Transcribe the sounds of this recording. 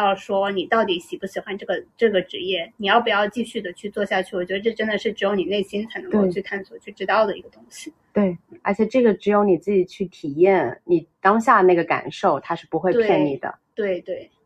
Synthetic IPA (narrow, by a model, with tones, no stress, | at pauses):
jɑ˥˩ʊʂwɔ˥ɔ˧ni˨˩t̪ɑ˥˩ʊt̪i˧˥ɕi˨˩pu˥˩ɕi˨˩xwa˧˥nʈ͡ʂɤ˥˩ɡə˩ʈ͡ʂɤ˥˩ɡə˩ʈ͡ʂɻ̩˧˥jɛ˥˩ni˨˩jɑ˥˩ʊp̬u˨˩jɑ˥˧ʊt͡ɕi˥˧ɕy˥˩d̪ə˩t͡ɕʰy˥˧t͡swɔ˥˧ɕja˥˧t͡ɕʰy˥˩ɔ˨˩t͡ɕɥɛ˧˥ə˧ʈ͡ʂɤ˥˧ʈ͡ʂə˥nd̪ə˨ʂɻ̩˥˩ʈ͡ʂɻ̩˧˥jo˧˥ʊni˨˩ne˥˩ɪɕi˥nt͡sʰa˧˥ɪnɤ˧˥˧ko˥˧t͡ɕʰy˧k̪ʰa˥˩nswɔ˥˩t͡ɕʰy˥˩ʈ͡ʂɻ̩˥t̪ɑ˥˩ʊd̪ə˩ḭ˧˥ɡə˧t̪ʊ˥ŋɕi˨˩ | t̪we˥˩ɪə̰˧˥t͡ɕʰjɛ˨˩ʈ͡ʂɤ˥˩ɡə˩ʈ͡ʂɻ̩˧˥jo˧˥ʊni˨˩t͡sɹ̩˥˩t͡ɕi˨˩t͡ɕʰy˥˩t̪ʰi˨˩jɛ˥˩nni˨˩t̪ɑ˥ŋɕja˥˧˩na˥˩ɡə˩ka̰˨˩nʂo˥˩ʊt̪ʰa˥ʂɻ̩˥˩pu˧˥xwe˥˧pʰjɛ˥˩nnḭ˨˩d̪ə̰˦t̪we˥˩ɪt̪we˥˩ɪ